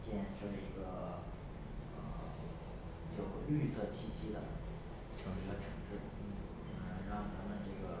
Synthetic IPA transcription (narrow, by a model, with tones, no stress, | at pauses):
t͡ɕjɛ˥˧nʈ͡ʂʰɤ˥ʂ̩˧˩i˧˥ɡə˧ | ə̰˧˩ | jo˨˩ʊly˥˧sɤ˥˧t͡ɕʰi˥˩ɕi˥d̪ə˨˩mə̰˧˩nt̪i˧˥˩ | i˧˥ɡə˧ʈ͡ʂʰɤ˧˥ŋʈ͡ʂɻ̩˥˩˥ | ɻɑ˥˩ŋt͡sa˧˥mə˨nʈ͡ʂɤ˥˩ɡə˩